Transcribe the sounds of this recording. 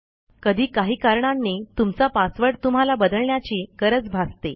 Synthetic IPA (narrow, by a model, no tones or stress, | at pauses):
kəd̪ʱiːkaɦiːkaɾɳanːit̪umt͡sapasʋəɽt̪um̤alabəd̪əɭɳjat͡ɕiːkəɾət͡sbʱast̪e